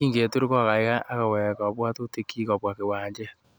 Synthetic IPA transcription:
iː˦ŋɡe˨tu˦ɾi˦kɔ˦a˨ka˨i˦ka˦ʔːka˨wɛ˨kɔ˨pwa˦to˦te˦ki˦kɔ˨pwa˨ke˨waː˨ɲd͡ʒe˦

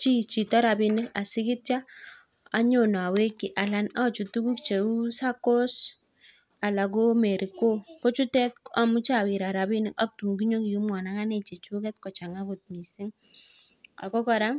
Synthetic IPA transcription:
t͡ʃi˦t͡ʃi˨ta˦ɾa˨bi˦nɪ˦ka˨sɪ˦kɪ˦tja˦ | a˦ɲo˦˨nɔ˨a˨we˦kːɪ˨ʔa˨la˦na˦˨t͡ʃu˨tu˦ku˦kt͡ʃe˨u˦sa˦kɔ˦s | a˨la˨ɡ̬o˦mɛ˨ɾi˨ko˦kɔ˦t͡ʃu˦tɛ˦ta˨mu˦t͡ʃa˨wi˨ɾa˨ɾa˨bi˦nɪ˦ka˦k̚tu˨ŋɡi˦ɲo˦ki˨ju˦mwa˨na˦ka˦ne˨t͡ʃɛ˨t͡ʃu˦kɛ˦tkɔ˨t͡ʃa˨ŋa˦ko˨t̚ni˨si˦ŋ | a̰˨kɔ˦kɔ˦ɾa˦

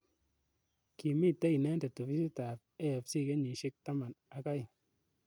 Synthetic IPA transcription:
ki˨mi˦˨te˦i˨ne˦n˦ta˨to˨fi˦si˦ta˨p̚e˦je˨psi˦˨ke˦ɲi˨ʃe˦k̚ta˦ma˨na˨ka˦i˨

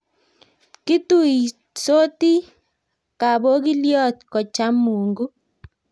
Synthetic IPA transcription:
ki˦tu˦i˨ | so˦ti˦ | ka˨bo˦k̬i˦ljɔ˦˨tkɔ˨t͡ʃa˦mu˨ŋɡu˦

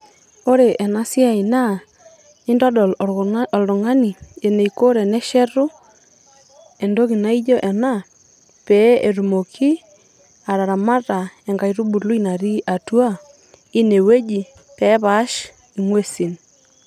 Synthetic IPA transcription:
o˦ɾe˨ʔɛ˨na˦si˦a˨i˨na˦ | ɪ˦ndɔ˦dɔ˨llʊ˨ŋa˦ni˨e˨ne˨iko˦ɾe˨nɛ˦ʃɛ˦ɾu˦ | e˨ndo˦ki˨na˦i˦d͡ʒo˦ʔɛ˨na˦ | pɛ˨˦e˨ɾu˨mo˨kʰi˦ | a˨ɾa˨ɾa˨ma˦ta˨ɛ˨ŋɡa˨jɾu˦bu˨lu˦i˦na˨ɾi˦ʔa˨tu˦a˦ | i˦ne˨we˦d͡ʒi˨ | pɛ˨˦βa˨˦ʃ | i˨ŋwe˦si˨n

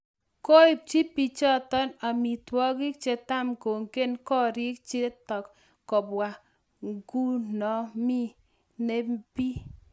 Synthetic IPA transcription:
ko˦ɪ˨p̚t͡ʃi˦pi˨t͡ʃɔ˦tɔ˦na˨mi˨twɔ˦ɡi˦k̚t͡ʃe˦ta˦˨mko˨ŋke˦nkɔ˦ɾi˦k̚t͡ʃe˦tɔ˨kː | ɔ˨bwa˨ | ŋɡu˦nɔ˨mi˦ | ne˦mpi˦

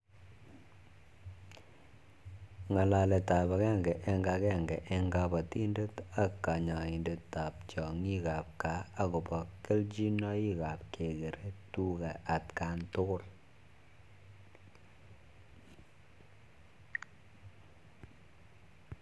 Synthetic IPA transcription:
ŋa˨la˨lɛ˨ta˨ba˨kɛ˦˨ŋɡɛ˨ʔɛ˦ŋɡa˨kɛ˦˨ŋɡɛ˨ʔɛ˦ŋɡa˦bɔ˨ti˦nde˦ta˨kːa˨ɲa˨i˨nde˨tːa˨p̚t͡ʃɔ˨ŋi˦ka˨p̚ka˨˦a˦ku˨bɔ˨ke˦ld͡ʒi˦nɔ˦i˦ka˨p̚kʰe˨ke˨ɾe˦tu˦ka˨ʔa˨tka˦ntʊ˦kʊ˦˨l

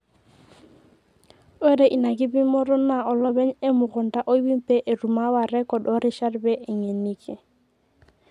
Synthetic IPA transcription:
o˦ɾe˨ʔi˨na˨k̬ɪ˦bɪ˦mɔ˦ɾɔ˦na˨ɔ˨lɔ˦be˦ɲe˦mʊ˨ɣʊ˨n˨ta˦ʔo˦i˦bi˦m˦pɛ˦ʔe˨ru˨ma˦wa˨rɛ˦kɔ˨dɔ˦ɾɪ˦ʃa˦rbɛ˦ʔe˨ɲe˨ni˦kʰe˨

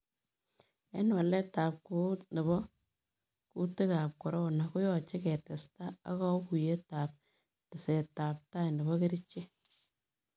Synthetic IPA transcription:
ɛ̰˦n˦wa˨lɛ˦taː˨p̚ko˦t̚nɛ˨βɔ˦ | ku˦te˦ka˨p̚kɔ˨ɾɔ˦na˨ku˦jɔ˨t͡ʃɪ˦kɛ˨tɛ˨sta˦a̰˦kɔ˦ku˨je˦ta˨p̚ | tɪ˨se˨taː˨p̚ta˦jndɛ˨βɔ˦ke˦ɾi˦t͡ʃːe˦

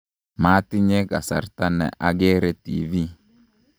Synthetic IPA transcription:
ma˦tɪ˦ɲe˦ka˨sa̰˨ɾta˦nɛ̰˨ʔa˦ɡɛ˦ɾɛ˦tḭ˨vi˦

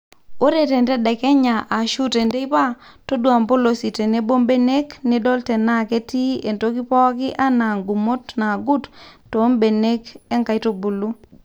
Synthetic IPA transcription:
o˦ɾe˨te˨ntɛ˦dɛ˨kɛ˦ɲa˨ʔa˨ʃu˦te˨nde˦i˦pa˦to˦dwa˨mbo˦lo˨si˨te˨ne˦bo˦mbe˦ne˦kni˦do˦ltɛ˨na˦ke˦ti˦e˨nto˦ki˦pɔ˦kɪ˦ʔa˦na˨ŋɡu˨mo˦tna˨ɡu˦tto˨˦mbe˨ne˦ke˦ŋka˨jto˨bu˨lu˦

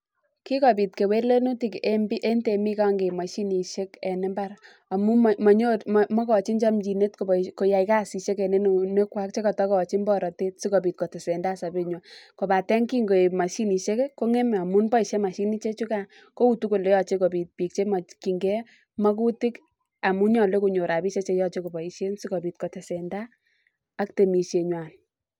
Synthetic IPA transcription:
ki˦kɔ˨p̬i˨tke˨we˦le˦nu˦ti˦kembi˦ʔe˦nte˨mi˦ka˦ŋɡe˨ma˨ʃi˦ni˨ʃe˦kɛ˨nɛ˦mba˦ɾ | a˨mu˦mɔ˨ɲo˦tmmɔ˦kɔ˨t͡ʃi˦nt͡ʃa˦md͡ʒi˨ne˦tko˨bko˨ja˨ika˦si˨ʃe˦kɛ˨ne˦n˨ne˦kwa˦k̚t͡ʃe˦kɔ˨tɔ˦kɔ˨t͡ʃi˦nbɔ˦ɾɔ˨te˦t̚si˦ko˨pi˨t̚ko˨tɪ˨se˨nda˦sa˨be˦˨ɲwa˨ko˨pa˨tɛ˦ŋki˦ŋɡo˨ma˨ʃi˦ni˨ʃe˦kɛ˦ko˦ŋɛ˦ma˨mu˦nbɔ˦i˨ʃe˦ma˨ʃi˦ni˦t͡ʃe˦t͡ʃu˦ka˨ | ko˦u˦tu˦ko˨le˨˦jɔ˨t͡ʃe˦ko˨pi˨t̚pi˨k̚t͡ʃe˦ma˨ki˨ŋɡɛ˦ | mɔ˦ku˦ti˦k | a˨mu˦ɲɔ˨le˦ku˨ɲo˨ɾa˨bi˦ʃe˦t͡ʃe˦jɔ˦t͡ʃe˦ko˨bɔ˨i˨ʃe˦nsi˦kɔ˨pi˨t̚kɔ˨tɛ˨sɛ˨ndaː˦ | kte˨mi˨ʃe˨ɲwa˨n

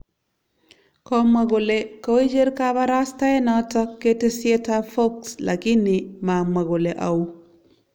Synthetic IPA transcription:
kɔ˦ma˨ɡo˨le˨ko˦i˦d͡ʒe˦ɾkaba˦ɾa˦sta˦ɛ˦nɔ˨˦tɔ˦kːe˦te˦sɪe˦ta˦fo˦ksla̰˨kɪ˦nɪ˨ma˨ma˨ɡo˨le˨ʔa˨u˦

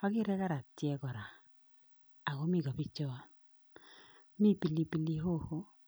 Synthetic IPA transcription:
ɔ˦kɪ˦ɾɛ˦ka˦ɾa˨tjɛ˦ɡɔ˨ɾa˨ | a˨ɡo˨˦mi˦˨ɡɔ˨pi˦t͡ʃɔ˦˨˦ | mi˦˨pi˨li˨˦pi˦˨li˦ɦo˦˨ho˦

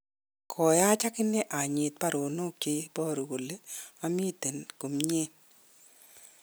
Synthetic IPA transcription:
kʰɔ˨ja˦t͡ʃa˦kɪ˦ne˦ʔa˨ɲɪ˨t̪̚pa˦ɾo˨no˦k̚t͡ʃe˦bɔ˦˨ɾo˨ɡo˨le˦a˦mi˦t̪e˨nko˨mɲe˦n

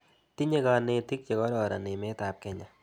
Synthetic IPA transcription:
t̪i˦ɲe˦ka˨ne˧ti˦k̚t͡ʃe˨kɔ˦ɾɔ˨ɾa̰˨nɪ˨me˦ta˨p̚kɛ˦ɲa˨

